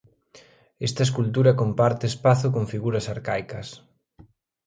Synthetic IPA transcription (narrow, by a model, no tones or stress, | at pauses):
est̪ɐeskult̪uɾɐkompaɾt̪eespaθʊkoŋfiɣuɾɐsaɾkajkɐs